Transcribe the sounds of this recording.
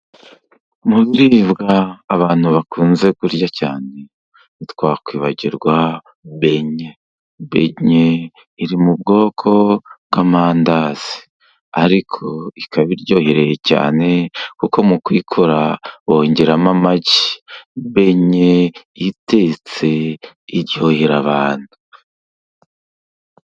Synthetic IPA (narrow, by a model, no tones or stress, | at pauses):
muβiɾiβɡaːβaːn̥huβakuːnze̞kuɾɟacaːne | itwaːkwiːβaɟiɾɡwa | βe̞ɲe | βe̞̰ɲe | iɾimub̚ɡo̞ːkʰo̞bɡamaːndaz̥i̥ | aɾikʰo̞ikaβiɾɟo̞ːhiɾe̞jeca̰ːne̞kuko̞mukwikʰoɾaoɲɟeɾamamaɟi̥be̞ɲejite̞t͡se̞ | iɾjoheɾaβaːnhu̥